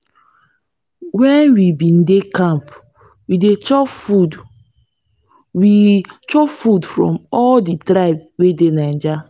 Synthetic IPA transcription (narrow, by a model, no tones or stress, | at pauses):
wɛnwibĩndekãmp | widet͡ʃɔud | wit͡ʃɔfudfɹɔ̰̃mɔlditɾaɪbwedenãnd͡ʒa